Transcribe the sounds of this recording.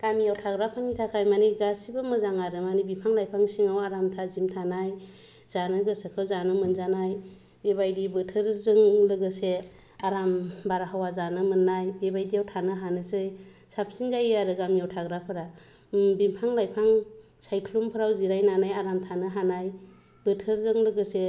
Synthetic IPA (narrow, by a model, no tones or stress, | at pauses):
ɡ̥amijawtʰaɡɾapʰaŋnitʰakʰajmaniɡasibɯmɯzaŋaɾɯmanibipʰaŋlajpʰaŋsiŋawaɾamtʰazimtʰanaj | zanɯɡɯsekʰɯzanɯmɯnzanaj | beβajdibɯtʰɯɾzɯŋlɯɡɯse | aɾambaɾaɦawazanɯmɯnːajbebajdijawtʰanɯɦanɯsɯj | sap̚ʰsinzajaɾɯɡamijawtʰaɡɾapʰɯɾa | bimpʰaŋlajpʰaŋ | sajkʰlumpʰɯɾawziɾajnanajaɾamtʰanɯɦanaj | b̥ɯtʰɯɾzɯŋlɯɡɯse